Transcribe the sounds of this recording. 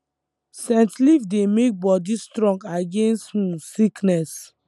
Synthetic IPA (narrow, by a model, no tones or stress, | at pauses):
sɛ̃ntlifdemek̚bɔdistɾɔ̃ŋɡaɡẽnsthũsiknɛs